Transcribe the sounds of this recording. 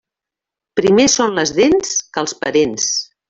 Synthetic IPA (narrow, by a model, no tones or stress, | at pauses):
pɾimesonləzðenskəlˠspəɾens